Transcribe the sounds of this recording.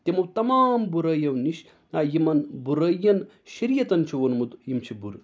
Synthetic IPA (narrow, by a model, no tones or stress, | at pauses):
t̪emɐwt̪ɐmaːmbuɾɐjɐwniʃ | ajimɐnbuɾɐjɐn | ʃɐɾijɐt̪ɐnt͡ʃʰuʋɐnmut̪jimt͡ʃʰibuɾ